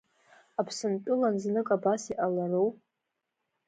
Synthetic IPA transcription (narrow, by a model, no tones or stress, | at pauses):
apʰsɨntʼɨlanznɨkʼabasiʔalarow